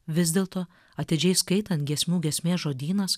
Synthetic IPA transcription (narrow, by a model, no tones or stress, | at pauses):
ʋʲɪzʲd̪ʲeːlˠt̪oː | ɐt̪ʲɪd͡ʒʲɛɪskɐɪt̪ɐnt̪ɡʲiɛsʲmʲuːɡʲiɛsʲmʲeːsʒoːd̪ʲiːnɐs